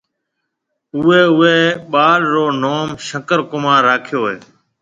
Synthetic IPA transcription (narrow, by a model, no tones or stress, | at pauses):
ʊːeːʊeːɓaːɽɾoːnoːmʃəkəɾkʊmaːɾːaːkʰjoːɦeː